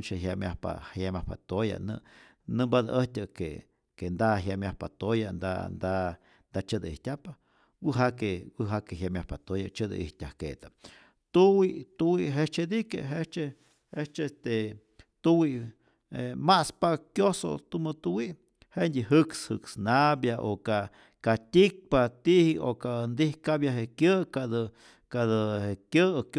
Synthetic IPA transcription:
nt͡ʃeɦjamʲjahpa̰hajamʲahpa̰t̪oja̰nɨ̰ | nɨmbad̪a̰ʔəhtʲakḛ | kend̪aɦjamjahpat̪ojand̪a̰nd̪a | nd̪at͡ʃɨd̪aḭhtʲapa | wɨɦakewɨɦakeɦjamʲjahpat̪ojat͡ʃɨd̪a̰ʔihtʲahkḛt̪a | t̪uwiʔt̪uwiɦet͡ʃed̪ikeɦet͡ʃe | het͡ʃest̪e | t̪uwi | emaspakjoso̰t̪umɨt̪uwiʔ | hendʲiɦɨkshɨksnabjaʔoka | kat̪ʲik̚pat̪iʔhiokand̪ihkabjaɦekjəkad̪ɨ | kad̪ɨekjək

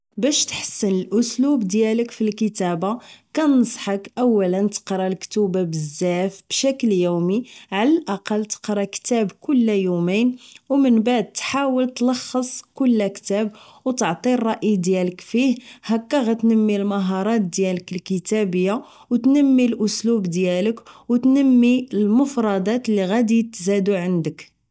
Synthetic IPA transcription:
bæʃt̪ħə̥sːənəlʔʊslubd̪jæləkfilkət̪æbakænəsˤħəkʔæwːælənt̪ə̥qɾˤɑlkt̪ubabəzːæfb̥ʃækljumiʕalælʔɑqɑlt̪ə̥qɾˤɑkt̪æbkʊlːæjuminwmənbaʕd̪̚t̪ħawəlt̪lɑxːəsˤkʊlːækt̪æbwt̪əʕt̪ˤirˤːɑʔid̪jæləkfihhækːæɣæt̪nəmːilməɦɑɾˤɑt̪̚d̪jæləkəlkət̪æbəjːa | wt̪nəmːilʔʊslubd̪jæləkwt̪nəmːiəlmʊfɾˤɑd̪ɑt̪lːiɣæd̪it̪zæd̪uʕənd̪ək

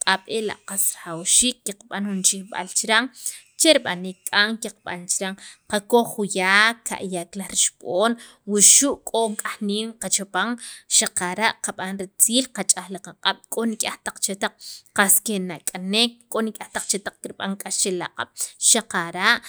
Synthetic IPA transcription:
qʼaɓela̰ʔqasɾaχawʃiːkːiqɓanxunt͡ʃixɓa̰lt͡ʃɾaŋ | t͡ʃeɾiɓaniːkkʼaŋkiqɓa̰nt͡ʃɾaŋqakoχujaːkːa̰ʔjaklahɾiʃɓ̥oːn | wuʃuʔkʼoŋkʼaxniːmqat͡ʃopaŋʃaqaɾaʔqaɓanɾit͡siːlqat͡ʃʼaχlaqaqʼaɓ̥kʼonikʼaht̪aq͡χt͡ʃet̪aq͡χ̚qaskenakʼanek̚kʼːonikʼaht̪aq͡χt͡ʃet̪aq͡χkiɾɓa̰ŋkʼast͡ʃelaqʼa̰ɓ̥ʃaqaɾaʔ

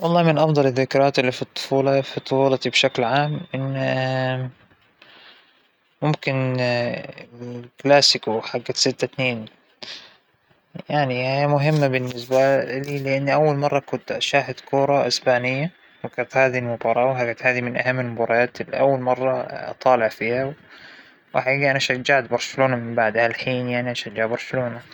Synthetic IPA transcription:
wɑlˤːɑːmɪnʔɑfd̪ˤɑlɪðːɪkɾˤɑːt̪ɪlːifit̪ˤːʊ̥fuːlɑfit̪ˤːʊfuːlɑt̪ibʃaklʕaːmʔɪnː | mʊmkɪn | klaːsɪkuħaɡːasɪt̪ːat̪neːn | jaʕnihajːamʊɦɪmːabɪnːɪsbaliːlɪʔɪnːiʔawːalmɑrˤːɑkʊnt̪ʃaːɦɪd̪kʰuːɾˤɑʔɪsbaːnɪjːa | wakat̪haːðilmʊbɑɾˤɑːwħaɡat̪haːðimɪnʔahamːɪlmʊbɑɾˤɑɑːt̪ɪlːḭʔawːalmɑrˤːɑɑ̰t̪ˤɑːlɪʕfiːha | waħaiːɡaʔanaʃad͡ʒːaʕt̪bɑɾˤʃaloːnamɪmbaʕd̪halħiːnjaʕniʔaʃad͡ʒːaʕbɑɾˤʃaloːna

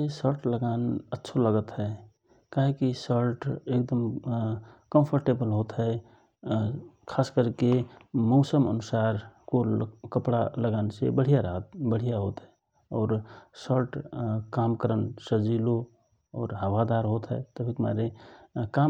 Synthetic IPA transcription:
esəɾʈləɡaːnətːʃʰoləɡət̪ɦɛ | kaɦikisəɾʈek̚d̪əm | kə̃mpʰəɾʈebəlɦoːt̪ɦɛ | kʰaːskəɾkemɔːsəmə̰nʊsaːɾkokəpɽaləɡaːnesḛbəɽ̤ijaɾɦət̪bəɽ̤ijaɦoːt̪ɦɛ | ɔːɾsəɾʈkaːmkəɾənsəd͡ʒilo | ɔːɾɦəwad̪aːɾɦot̪ɦɛ̰t̪əbʰʱikma̰ɾeka

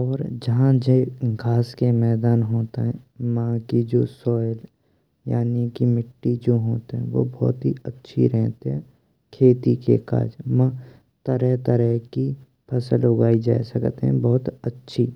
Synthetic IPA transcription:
ɔːɾd͡ʒɐɦãd͡ʒeɡʱaːskemɛːd̪aːnɦoːt̪eɦɛ̃mãːkid͡ʒoːsɔːɪl | ja̰ːnikimɪʈːid͡ʒoːɦoːt̪eɦɛ̃ʋo̰bɔ̰ːt̪ɦiətːʃʰḭɾɛɦt̪eɦɛ̃ | kʰeːt̪ikḛka̰ːd͡ʒmãː | t̪əɾɛɦt̪əɾɛki | pʰɐsəlʊɡaːid͡ʒa̰ːsəkt̪eɦɛ̃bɔːt̪ətːʃʰi

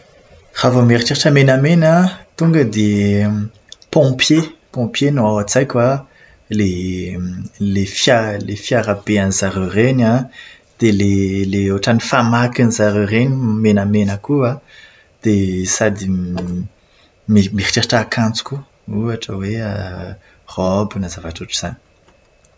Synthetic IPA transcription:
ravəmeɾiʈ͡ʂeɾaʈ͡ʂəmenamenat̪uŋɡəd̪e | pɔ̃pjepɔ̃pjenoawat͡sajkʲwa | le | lefjalefjaɾabeanzaɾørena | d̪̥eleleoʈ͡ʂanifamakanizaɾørenimenəmenəkua | d̪̥esad̪i | mimii̥ʈ͡ʂaʈ͡ʂakʰãnt͡su̥kʲu | uaʈ͡ʂəweə | rɔbinazavaʈ͡ʂuʈ͡ʂiz̥ani̥

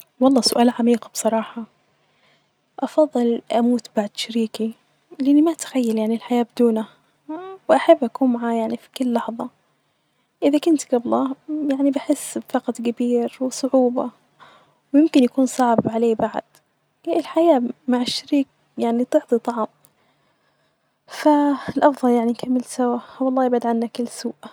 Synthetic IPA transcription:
wɑlˤːɑːsʊʔaːlʕamiːqb̥sˤɑɾˤɑːħɑ | ʔɑfɑðˤːɨlʔamuːt̪baʕd̪ʃaɾiːki | lɪʔɪnːimat̪xajːaljaʕnilħajaːbɪd̪uːna | wʔaħabːʔakuːnmaʕaːjaʕnifi̥kɪlːɑħðˤɑ | ʔɪðakʊnt̪ɡɑblɑjaʕnibɪħɪsːfɑqɑt̪ˤɡabiːɾwɪsˤʊʕuːbɑ̰ | wjɪmkɪnjakuːnsˤɑʕbʕaleːbaʕ̰d̪̥ | ʔɪlħajaːmaʕɪʃːaɾiːk̚ | jaʕnit̪ɨʕt̪ˤit̪ˤɑʕɑm | faɪlʔɑfðˤɑljaʕninkamːɪlsawawɑlˤːɑːjɪbad̪ʕanːakɪlːsuːʔ

